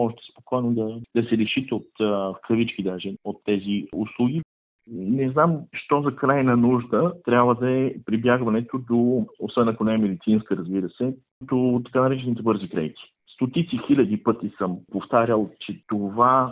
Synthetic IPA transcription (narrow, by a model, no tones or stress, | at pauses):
ɔʃt̪ɛ̥spokʰɔjnod̪ɐd̪ɐsɛliʃit̪ɛot̪fkɾɐvit͡ʃkid̪aʒɛot̪ːɛziuslˠuɡʲi | nɛznamʃt̪ɔzɐkɾajnɐnuʒd̪ət̪ɾʲabvəd̪ɐɛpɾibʲjaɡvɐnɛt̪od̪oosɛ̃nd̪nɐkʊnɛmɛd̪it̪sinskəɾɐzbiɾəsɛ | t̪ot̪ːɐ̥kanɐɾɛt͡ʃɛnit̪ɛbɤɾzikɾɛ̰jt̪i̥ | st̪ot̪it̪sixilʲɐd̪ipɤt̪isəmpoft̪aɾʲjəlˠt͡ʃɛt̪ova